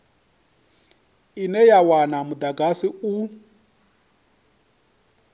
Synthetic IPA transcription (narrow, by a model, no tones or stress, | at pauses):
inɛjawanamud̪aɡasiu